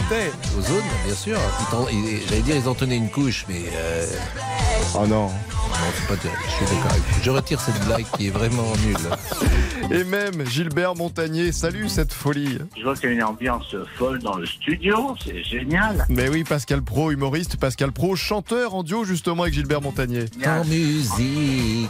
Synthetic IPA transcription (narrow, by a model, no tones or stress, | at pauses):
t̪ɛozonbjɛ̃syːʁit̪ɑ̃iʒalɛd̪iʁilzɑ̃t̪ənɛynkuʃmɛ | ø | a̰nɔ̃nɔ̰̃sɛpad̪aʃɔd̪əka̰ʁɛ̰ʒəʁət̪iʁsɛt̪̚blaɡkʲːiɛvʁɛmɑ̃nyl | emɛmʒilbɛʁmɔ̃t̪aɲjesalysɛt̪fɔliʒəvwakjaynɑ̃bjɑ̃sfɔld̪ɑ̃ləst̪yd̪josɛʒenjalmɛwipaskalpχoymɔʁist̪paskalpχoʃɑ̃t̪œʁɑ̃d̪joʒyst̪əmɑ̃avɛkʒilbɛʁmɔ̃t̪aɲjeɑ̃myzik